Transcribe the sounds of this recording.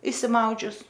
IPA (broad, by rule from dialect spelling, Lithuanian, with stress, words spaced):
ɪʃʲsʲɪˈmɐʊd͡ʒʲʊs